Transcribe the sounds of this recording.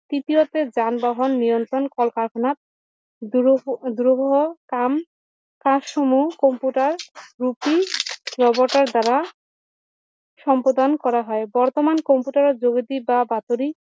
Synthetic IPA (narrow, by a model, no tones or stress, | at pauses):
t̪it̪iot̪ed͡ʑanbaɦonːijont̪ɾonkɔlkaɾkʰonat̪̚ | d̪uɾobʱoɦokam | kãsʃomukɔmpuʈaɾːupiɾɔboɾʈaɾd̪aɾa | ʃɔmpod̪ankɔɾaɦɔebɔɾt̪omankɔmpuʈaɾed͡ʑoɡid̪ibabat̪oɾi